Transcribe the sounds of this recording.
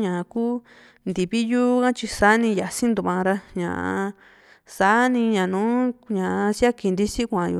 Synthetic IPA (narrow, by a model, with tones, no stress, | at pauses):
ɲã˨˧kuː˦ | nd̪i˨βi˦juː˦kã˦t͡ʃi˧sa˨˦nĩ˧ja˨si˦nd̪u˧βã˧ɾa˧ɲã̰˨ʔ | sa˦nĩ˧ɲã˨nũː˨˦ɲã˨˧sja˦ki˧˨nd̪i˧si˦kʷã˨jṵ˧